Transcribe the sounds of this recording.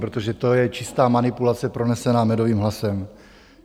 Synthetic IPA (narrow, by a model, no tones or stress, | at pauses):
pɾot̪o̞ʒɛt̪o̞jɛt͡ʃɪst̪aːmanɪpulat͡sɛpɾo̞nɛsɛnaːmɛdo̞viːmɦlasɛm